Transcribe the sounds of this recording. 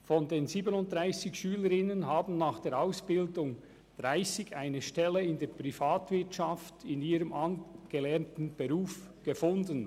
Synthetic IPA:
fɔndeːnziːbənʊnt̚d̥ʁaɪsɪçʃyːləɾɪnənɦaːbn̩naːχd̥eːɾaʊsb̥ɪldʊŋ | d̥ʁaɪsɪɡaɪnəʃtɛləɪndeːpʁ̥ifaːtv̥ɪtʃaftʰɪniːɾəmʔɑnɡ̥əlɛɐntn̩b̥eʁuːf | ɡ̥əfʊndən

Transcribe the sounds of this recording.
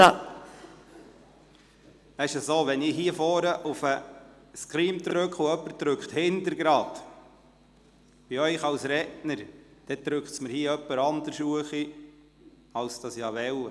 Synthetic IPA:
æɪʃəsoːʋɛniɦiəfɔːɾəʔufə | skɾiːmd̪ɾɾɵkχuœpːəɾt̪ɾʉkχt̪hɪntəɾɡɾɑːt̪ | b̥iœʏχɑwsɾɛtnəɾd̥ɛt̪ɾʉkχtsməɾhiəœpːəɾɑnd̪əɾsuəχi | ɑwsd̥ɑsjɑːʋɛw

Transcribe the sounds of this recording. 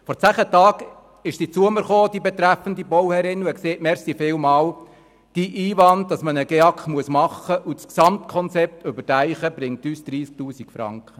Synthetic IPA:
fɔɾt͡sæːχətɑːɡ | ɪʃsit͡suəməɾχoːd̥ibɛt̪ɾæfəndibɔwhɛɾɪnuɛkseːtmɛɾsifɪːwmɑːw | d̥iʔiːʋɑnd̚d̥ɑsmənəɡ̥ɛɑkχmuəsmɑχːəʔusksɑmtkʰɔnt͡sɛp̚tøbətæɪχəbɾɪŋtyːsd̥ɾiːsk̚tuːsikfɾɑ̰ŋkχə

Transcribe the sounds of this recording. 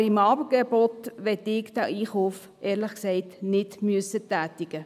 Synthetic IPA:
ɪmɑːbəɡ̥ebot̪ʋɛt̪ɪkd̥̪æiːχuːf | ʔɛːɾləχksɛɪtnɪtmyəsətæːtɪɡ̥ə

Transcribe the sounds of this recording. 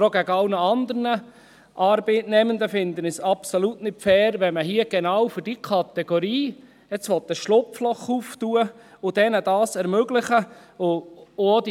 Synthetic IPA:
ɾoɡ̥æɡəɑlnəɑnd̪əɾnə | ʔɑːɾb̥eːtnɛmənd̪əfɪnd̪ənɪsɑpsolutnɪtfɛːɾʋɛməɦiəɡ̥ɛnɑwfʏɾd̥ikʰɑt̪ɛɡ̥oɾiː | ɛt͡sʋɔt̪̚d̪əʃlʊpflɔχuːft̪uə | ʊd̥̪ɛnəd̥ɑːsɛɾmøɡlɪχəʊːod̥̪i

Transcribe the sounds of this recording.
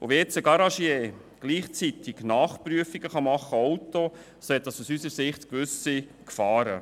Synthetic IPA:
o̰ʋeɛt͡səɡɑɾɑʃjeː | ɡ̥liːχt͡sit̪iɡ̥nɑːχpɾyəfiɡ̥əχɑmɑχːəɔwto | soɛt̪̚ɑsusysəɾsɪχtkʋʏsikfɑːɾə

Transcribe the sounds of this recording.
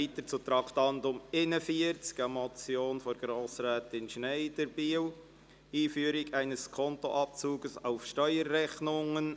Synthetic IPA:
iːtəɾt͡sut̪ɾɑktɑndʊmɪnəfiəɾt͡skɑmɔt͡sjoːnfɔɾɡɾoːsɾɛːtɪnʃneɪd̥ɛɾb̥iːw | iːfyəɾɪɡæɪnəskʰɔnto̰ʔɑp̚t͡suːɡəsaʊfʃtœʏəɾːɛxnʊŋən

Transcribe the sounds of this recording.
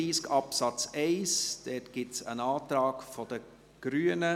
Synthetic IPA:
iːskɑpsɑt͡sɛɪsd̪̥ɛtɡ̥ɪtsə̰nɑːt̪ɾɑːkfɔd̥̪ə | ɡ̥ɾyːənə

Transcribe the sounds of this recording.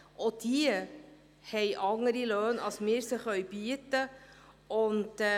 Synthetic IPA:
ʔɔd̥iə | hɛɪʔɑŋːəɾiløːnɑlsmɪːɾsəχœɥb̥iət̪ə | ʊnt

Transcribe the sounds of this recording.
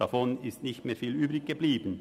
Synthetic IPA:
afɔnɪstnɪçtmeːɐfiːlyːbʁɪçɡ̥əbliːbən̩

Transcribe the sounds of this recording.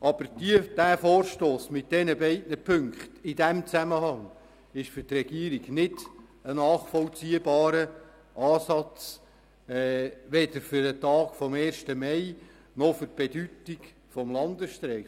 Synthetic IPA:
ʔɑb̥əɾdiəd̥æːfoːɾʃtoːsmɪt̚d̥ɛnəbɛɪtnəpʰɵŋkχt̪ɪd̥æmt͡sæməhɑŋ | ɪʃfʏrtrɛɡ̥iəɾiɡnɪdənɑːχfɔlt͡siːəbɑːɾə | ʔɑːsɑt͡sː | ʋɛdəɾfʏɾətɑːkfɔmɛːrʃtəmɛɪ | nɔfʏɾ̚b̥ed̥ytiɡ | fɔmlɑndəsʃtɾɛː

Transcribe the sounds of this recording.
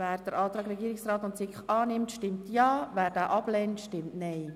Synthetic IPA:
væːɾd̥̪əɾʔɑːt̪ɾɑːɡɾɛɡiːɪksɾɑːt̪ʊntsɪkχɑːnɪmtʃtɪmtjɑːvæːɾd̥æːʔɑblɛntʃtɪmtnɛɪ

